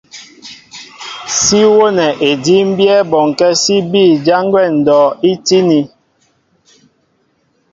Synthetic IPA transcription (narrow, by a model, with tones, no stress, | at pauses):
si˦wo˦nɛ˨ʔe˨di˦m̩˦bjɛ˦bɔ˨ŋkɛ˦si˦biː˦˨d͡ʒa˦ŋɡwɛ˦˨n̩˨dɔː˨i˦ti˦ni˨